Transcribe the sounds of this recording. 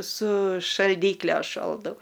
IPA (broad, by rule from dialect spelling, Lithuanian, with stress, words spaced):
sʊ ʃɐlʲˈdʲiːklʲɛ ˈʃoːlˠdɐʊ